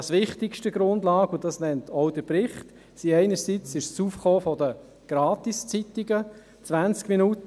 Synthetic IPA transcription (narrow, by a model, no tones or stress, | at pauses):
sʋɪχtɪkʃtəɡ̥ɾʊndlɑːkʊd̥ɑsnɛntʰɔʊd̥əpɾɪχt | siɛɪnəɾsit͡sɪʃsuːfχoːfɔdə | ɡ̥ɾɑːtist͡sitiɡə | t͡sʋænt͡skminut